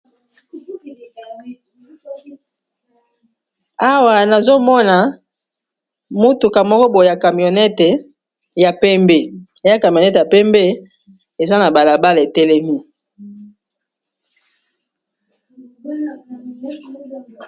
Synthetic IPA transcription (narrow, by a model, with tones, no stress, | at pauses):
a˦wa˨na˨zo˦mɔ˦na˨ | mo˦tu˨ka˨mɔ˦kɔ˦bo˨ja˨ka˨mi˨o˨nɛ˦te˨ | ja˨pɛ˦mbe˨˦a˦ka˨m˨o˨nɛ˦tja˨pɛ˦mbe˦ | e˨za˦na˨ba˨la˨ba˦le˨tɛ˦le˦mi˦